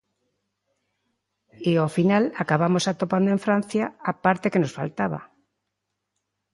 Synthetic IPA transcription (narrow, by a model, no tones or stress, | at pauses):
eofinalakaβamosat̪opand̪oẽɱfɾãn̟θjaapaɾt̪ekenosfa̰lt̪aβa̰